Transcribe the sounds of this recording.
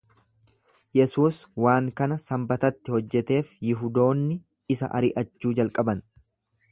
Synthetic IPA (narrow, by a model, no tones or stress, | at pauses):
jɛsuːswaːŋkɐnɐsɐmbɐt̪ɐt̪ːɪhɔd͡ʒːɛt̪e̞ːfjɪɦʊd̪o̞ːnːɪ | ɪsɐ̰ʔɐ̰ɾɪʔɐt͡ʃːuːd͡ʒɐlkʼɐbɐn